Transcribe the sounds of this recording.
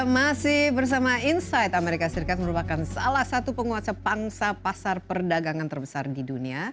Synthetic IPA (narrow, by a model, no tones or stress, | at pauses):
masɪhhbərs̬amainsajt̪ameɾikasəɾikat̪̚məɾupakansalahsat̪upəŋuasapaŋsapasarpərdaɡaŋant̪ərbəsardidunia